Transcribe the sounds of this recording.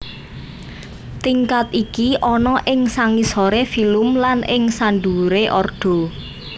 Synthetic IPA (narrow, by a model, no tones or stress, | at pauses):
t̪iŋkat̪ikiʔɔnɔʔɪŋsaŋisoɾefilʊmlanʔɪŋsanɖuɾeʔɔrɖ̥ɔ̤